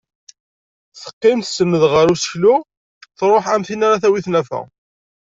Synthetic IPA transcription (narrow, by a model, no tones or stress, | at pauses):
θə̥qːɪmθsəmːəðʁəɾusə̥çlu | θɾˤoħæmθinaɾaθæwiθnæfæ̰